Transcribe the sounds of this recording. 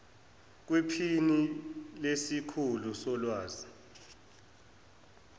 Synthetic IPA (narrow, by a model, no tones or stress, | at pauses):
k̬wipʰinilesikʰulusɔlwaːzi